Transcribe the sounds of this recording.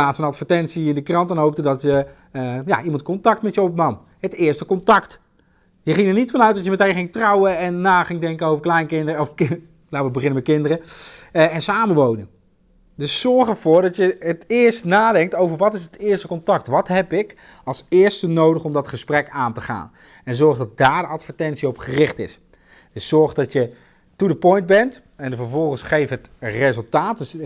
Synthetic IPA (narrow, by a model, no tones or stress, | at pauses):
aːtsənɑtfəɹtɛntsiɪndəkrɑntɛnɦowp̚tədɑtjə | ja̰ʔimɑntkɔntɑktmɛtjəɔpnɑm | ɦətɪːɹstəkɔntɑkt | jəχɪŋəɹnitfɑnœɥt̚dɑtjəmɛtejχɪŋtrɔwəɛnːaːχɪŋdɛŋkənowvəɹklɛjnkɪndəf | nawʋəbəχɪnəmɛt̚kɪndərə | ɛnsaːməʋownən | dɵssɔɹχəɹvʊːɹdɑtjəətɪːɹstnaːdɛŋk̚towvəɹʋɑtɪsətɪːɹstəkɔntɑk̚tʋɑtɦɛpɪk | ɑlˠsɪːɹstənowdəχɔmdɑtχəsprɛkaːntəχa̰ːn | ɛnzɔɹχdɑt̚daːɹdəɑtfəɹtɛntsiɔpχərɪχtɪ̰s | d̥əsːɔɹχdɑtjə | tudəpɔjnd̚bɛnt | ɛnvəɹvɔlˠχənsχejfəɦətrezəlˠtaːt̚ds